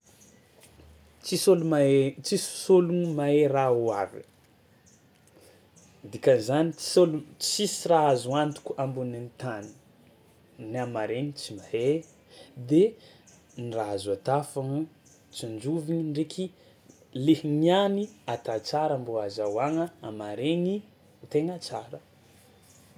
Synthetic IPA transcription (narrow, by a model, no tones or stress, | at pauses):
t͡sisolumat͡sissolunimaeɾawavḭ | d̪ikanzani̥olut͡sisiɾaazuant̪u̥kʲuambunent̪ani̥ | niamaɾenit͡simahe | d̪e | nraazat̪afaŋ | t͡sind͡ʒuviɲiɳɖ͡ʐekʰi | lehinianiat̪at͡saɾambuazawaŋəamaɾeŋi | t̪eŋat͡saɾə